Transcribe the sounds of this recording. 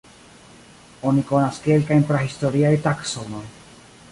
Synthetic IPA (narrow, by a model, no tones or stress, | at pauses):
o̞niko̞naskelkajnpɾahisto̞ɾiajtakso̞no̞j